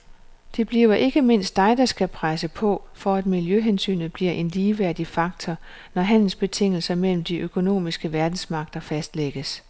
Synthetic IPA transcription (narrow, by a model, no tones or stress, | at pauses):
d̥e̝b̥liʊɐʔe̝ɡ̥əme̝n̰sd̥ːɑ̈ɪd̥ɑsɡ̥ʰæpʰʁasəpʰɒ̽fɒæd̥miljøɦensy̰ːnð̩ˠb̥liɐʔe̝nliːʋæɐ̰d̥ifɑ̈ɡ̥̚t͡sʰɒ | nɒɦæn̰l̩sb̥e̝t͡sʰe̝ŋ̰l̩sɐmel̰m̩d̥iʔøkʰo̝no̝̰ːmisɡ̥əʋæɐd̥n̩smɑ̈ɡ̥̚d̥ɐfæsd̥leɡ̥əs